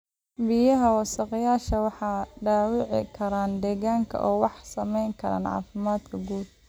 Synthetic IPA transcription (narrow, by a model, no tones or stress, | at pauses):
bɪjɐɦɐwɑsɐqɑjaːʃɐwɑħɑːɖaːwɪʕɪ̰kʰɐɾaːnd̪ɛːɣaːŋkʰɐ̰ʔɔːwɑħsɐmɛjŋkʰɐɾa̰ːnʕɑ̰ːfɪmaːd̪kʰɐɡuːd̪̚